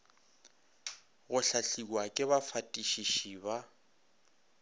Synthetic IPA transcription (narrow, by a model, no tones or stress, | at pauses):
ɣʊɬaɬikwakʼɪβafatʼiʃiʃiβa